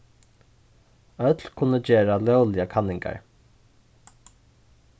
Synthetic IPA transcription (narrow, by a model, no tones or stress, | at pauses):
œt̪lkʰʊnəd͡ʒeːɹɑlɛʊlɪəkʰɑnɪŋɡɑ̰ɹ